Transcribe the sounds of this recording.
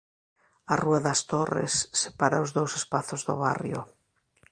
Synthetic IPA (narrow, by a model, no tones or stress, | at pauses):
aruaðɐst̪orḛsːepaɾaʊzðowsespaθʊzðʊ̰βarjo̰